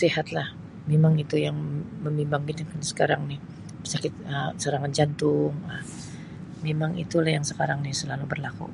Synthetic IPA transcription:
siɦat̪lah | memaŋit̪ujaŋməmimbaŋkit̪ikansə̥kaɾaŋnɪh | əsakɪt̪̚əsəɾaŋand͡ʒant̪ʊŋla | memaŋḭt̪ulahjaŋsəkaɾaŋnɪhsəlalubərlakṵ

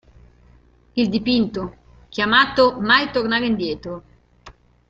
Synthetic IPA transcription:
ild̪ipint̪o | k̟jamaːt̪omajt̪ornaːɾind̪jɛːt̪ɾo

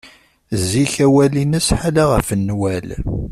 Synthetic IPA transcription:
zːiçæwælinəsħalaʁə̰fənːwæl

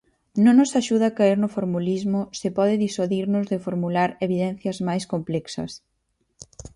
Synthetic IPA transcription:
nõŋnʊsaʃuð̞aːkaiɾnʊfoɾmulizmʊsɪpɔð̞ɪðiswaðiɾnʊzðɪfoɾmulaɾeβiðɛn̟θjɐzmajskomplɛksɐ̰s

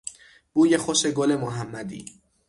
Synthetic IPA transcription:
b̥uːjexoʃeɡole̞moɦæmːæd̪ḭː

